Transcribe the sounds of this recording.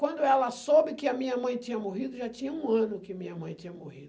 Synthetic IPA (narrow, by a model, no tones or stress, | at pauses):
kwɐ̃nd̪ʊɛlɐsobɪkɪɐmĩɲɐmɐ̃j̃t̪ĩɲɐmoɦid̪ʊʒat̪ĩɲɐũɐ̃nʊkɪɐmĩɲɐmɐ̰̃j̃t̪ĩɲɐmohḭd̪